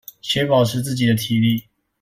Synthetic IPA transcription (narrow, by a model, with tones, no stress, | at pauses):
ɕʰɥɛ˧˥pɑ˨˩ʊʈ͡ʂʰɻ̩˥˧t͡sɹ̩˥˩t͡ɕi˨˩d̪ə˦t̪ʰi˨˩li˥˩